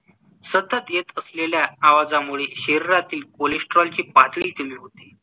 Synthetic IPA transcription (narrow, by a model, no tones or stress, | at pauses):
sət̪ət̪et̪əsleljaːʋad͡zamuɭeɕeɾiɾat̪iːlkolesʈɾɔlt͡ɕiːpat̪ɭiːt̪iliːɦot̪e